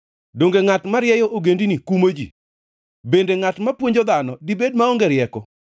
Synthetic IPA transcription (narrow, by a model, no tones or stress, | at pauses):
doŋɡeŋatmaɾjɛjɔʔoɡendinikumod͡ʒḭ | bendeŋatmapwoɲd͡ʒod̪anɔdibed̚maoŋɡeɾɪjɛkɔ